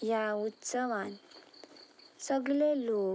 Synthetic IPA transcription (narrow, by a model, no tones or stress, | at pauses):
jaut̪səʋan | səɡlelo